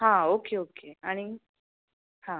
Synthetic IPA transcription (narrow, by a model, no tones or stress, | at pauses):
ɦãokeoːkeañi | hã